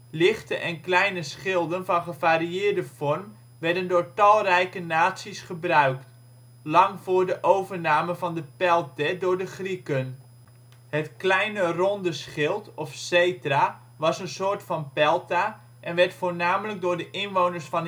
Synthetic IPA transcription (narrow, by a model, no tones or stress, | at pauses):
lɪχtəʔɛnklɛjnəsχɪlˠdənvɑnχəvaːriɪːɹdəfɔrm | ʋɛɹdəndʊːɹtɑlˠrɛjkənaːtsisχəbrœɥkt | lɑŋvʊːɹdəʔowvəɹnaːməvɑndəpɛlˠtədʊːɹdəχrikən | hətklɛjnərɔndəsχɪlˠtɔfsejtəra | ʋɑsənsoːɹtfɑnpɛlˠta | ʔɛnʋɛɹtfoːɹnaːmələɡ̚dʊːɹdəʔɪnʋownəɹsfɑn